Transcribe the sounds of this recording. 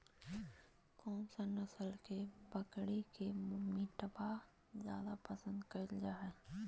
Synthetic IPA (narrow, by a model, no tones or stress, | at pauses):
kɔːmsɐnəsəlkebəkɽekemɪʈbaː | zja̰ːd̪apəsə̃nd̪kəld͡ʒaːɛ